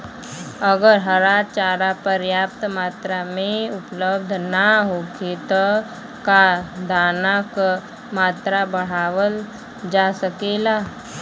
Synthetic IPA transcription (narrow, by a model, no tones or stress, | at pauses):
əɡəɾɦəɾaːt͡ʃaːɾapəɾjaːp̚t̪maːt̪ɾamẽʊpləb̚d̪ʱnaɦoːket̪ɔ | kad̪ʱaːnak | maːt̪ɾabəɽ̤aːʋəl | d͡ʒasəkelaː